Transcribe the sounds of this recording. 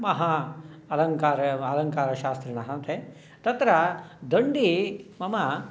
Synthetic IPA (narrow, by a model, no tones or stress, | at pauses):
mɐɦaɐlɐŋkaːɾɐɐlɐŋkaːɾɐʃaːst̪ɾinɐɦɐnt̪ʰe | t̪ɐt̪ɾɐd̪ɐɳɖimɐmɐ